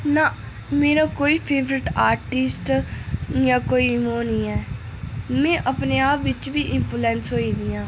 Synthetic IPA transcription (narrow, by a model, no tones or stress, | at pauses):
naː | meːɾaːkoːiːpʰeːʋɾɪʈaːɾʈɪsʈ | jãːkoːiːmõːnĩːɛː | mɛ̃ːʔəpneːaːpʋɪt͡ʃʋiːʔɪ̃npʰuːlɛ̃ːnsɦoːiːd̪ɪjãː